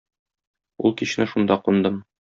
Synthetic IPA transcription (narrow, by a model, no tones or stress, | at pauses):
ṵlˠkiɕnɘʃund̪ɑqund̪ɤm